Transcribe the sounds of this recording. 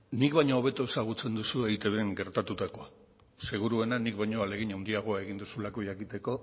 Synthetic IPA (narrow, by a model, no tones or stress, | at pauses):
nikβajɲo̞ːβ̞e̞t̪oe̞saɣ̞ut͡se̞nd̪usueit̪e̞βeŋɡe̞ɾt̪at̪ut̪ako̞ | se̞ɣ̞uɾue̞nanikβajɲo̞ale̞ɣ̞iɲawnd̪iaɣ̞o̞ae̞ɣ̞ind̪usulako̞ʝakit̪e̞ko̞